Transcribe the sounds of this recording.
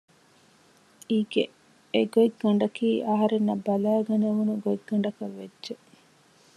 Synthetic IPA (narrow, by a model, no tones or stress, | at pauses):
iːɡe | eɡoiɡːɐɳ̆ɖɐkiːʔɐɦɐɾenːɐbɐlæːɡɐneʋunuɡoiɡːɐɳ̆ɖɐkɐʋːedːʒe